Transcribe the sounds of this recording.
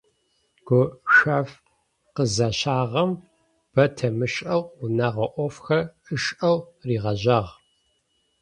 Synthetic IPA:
ɡ̥ʷʊʃʷaːf | qəzɐɕaːʁɐm | b̥ɐtʰɐmɨɕʼʔɐwunaːʁɐʔʷɔfxɐɨʃʼʔɐwriːʁɐʑɐʁ

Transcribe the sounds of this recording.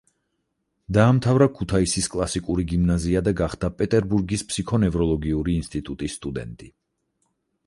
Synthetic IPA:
d̪aːmt̪ʰavɾakʰut̪ʰaisiskʼlˠasikʼuɾiɡimnaziad̪aɡaχd̪̥apʼɛt̪ʼɛɾbuɾɡispʰsikʰɔnɛvɾɔlˠɔɡiuɾiːnst̪ʼit̪ʼut̪ʼisːt̪ʼud̪ɛ̰nt̪ʼi

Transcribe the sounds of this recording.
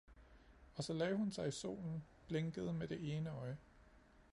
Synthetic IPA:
ɒ̽sɒ̽lɛ̰ːɦunsɑ̈ɪiso̝̰ːln̩b̥leŋɡ̥əð̞ˠmed̥e̝ʔe̝ːnəɒ̽ɪ

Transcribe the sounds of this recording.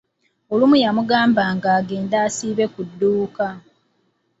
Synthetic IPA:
olumujamuɡaːmbaːŋɡaːɡe̞ːndaːsiːβe̞kudːuːka

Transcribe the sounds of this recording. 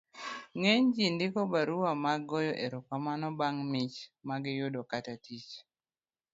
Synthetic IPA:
ŋeɲd͡ʒindɪkɔbaɾuwamaɡɔjɔʔeɾokamanɔbaŋmɪt͡ʃmaɡɪjʊdɔkatatit͡ʃ

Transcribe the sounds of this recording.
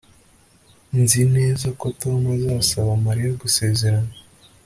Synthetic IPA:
nzine̞ːzakotomazaːsaβamaɾijoɡuse̞ːze̞ɾana

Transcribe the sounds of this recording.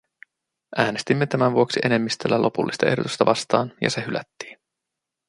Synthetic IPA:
ʔæːne̞st̪imːe̞t̪æmænʋuoksiʔe̞ne̞mːist̪ølːælʔo̞pulːist̪ɑʔe̞hdo̞t̪u̥st̪ɑʋɑst̪ɑːnjɑ̰sehylæ̰t̪ːi̥ːn

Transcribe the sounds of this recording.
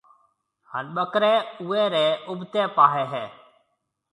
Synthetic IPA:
ha̰ːnɓəkɾẽːuːeːɾeːʊbt̪eːpaːɦeːɦɛː

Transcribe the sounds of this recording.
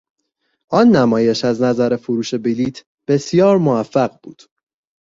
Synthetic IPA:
ʔɒːnːæmɒːje̞ʃæznæzæɾe̞foɾuːʃe̞biliːt̪ʰ | b̥e̞sijɒːɾmoæfːæɢbṵːd̪̥

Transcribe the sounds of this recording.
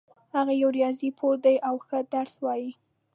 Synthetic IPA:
haɣajuwɾjɑzipʰod̪ajʔawxəd̪aɾswɑji

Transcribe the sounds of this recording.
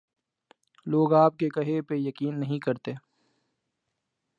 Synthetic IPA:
loːɡaːp̚kekɐɦepejɐkiːnːɐɦĩkɐɾt̪eː

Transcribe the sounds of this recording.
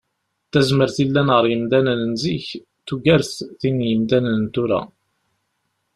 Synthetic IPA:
θæzməɾθilːænʁəɾjəmd̪ænənənziç | t̪ːuɡæɾθθinjəmd̪ænənt̪uɾæ̰

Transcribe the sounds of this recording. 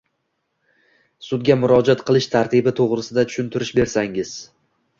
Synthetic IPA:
sʊd̪ɡʲamʊɾɒd͡ʒat̪qɨlˠɪʃt̪ʰaɾt̪ʰɪbɪt̪ʰoʁɾɪsɪd̪at̪ʰʊ̥ʃʊnt̪ʰɪɾɪʃbe̞ɾsaŋɪz̥

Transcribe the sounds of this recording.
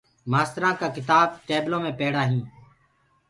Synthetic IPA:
maːst̪ɾãːkaːkɪt̪aːb̚ʈeːblõːmẽːpeːɽaːɦĩː

